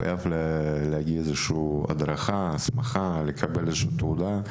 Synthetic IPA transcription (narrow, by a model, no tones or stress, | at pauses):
a̰jʔavlleaɡiezeʃua̰d̪ɾaχasmaχalekʰabelezeʃuːt̪ud̪a